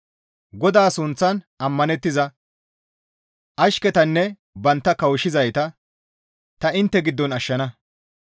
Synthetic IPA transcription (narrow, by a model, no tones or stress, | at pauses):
ɡɔd̪aːsʊnt͡sːɐn | ɐmːɐnɛt̪ːɪzɐ | ʔɐʃkɛt̪ɐnːɛ | bɐnt̪ːɐkɐwʃɪzɐjt̪ɐ | t̪ɐɪnt̪ːɛɡɪd̪ːɔnɐʃːɐnɐ